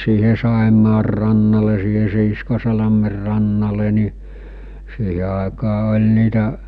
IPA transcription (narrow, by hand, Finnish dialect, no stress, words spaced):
siːhe sɑˑemɑːr rɑnːɑle siːhe siːskosɑlɑmer rɑnːɑle niˑ siːhe ɑˑekɑː olʲ nitæ